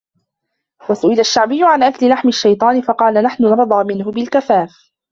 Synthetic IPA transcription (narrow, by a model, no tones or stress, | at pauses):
wasʊʔɪlaʃːaʕbɪjːʊʕanʔaklɪlaħmɪʃːajt̪ˤɑːnɪfɑqɑːlanaħnʊnɑɾˤd̪ˤɑːmɪnhʊbɪlkafaːf